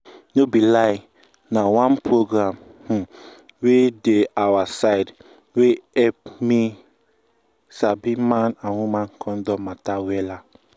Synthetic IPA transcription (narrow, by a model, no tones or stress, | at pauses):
nobilaɪ | nawãnpɹoɡɾãm̩ | wedeawasaɪd | weɛp̚mi | sabimãnãnwumãnkʰɔ̃ndɔmatawɛla